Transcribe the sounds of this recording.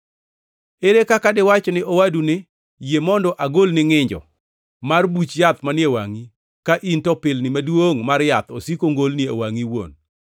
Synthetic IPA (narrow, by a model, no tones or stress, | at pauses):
eɾekakadɪwat͡ʃɔnɪʔowadunɪ | jemɔndɔʔaɡolnɪŋɪɲd͡ʒɔ̰ | marbut͡ʃjat̪manɪewa̰ŋi | kaʔintɔpɪlnɪmadwoŋmaɾjat̪osikoŋɡolnɪo̰waŋiwo̰n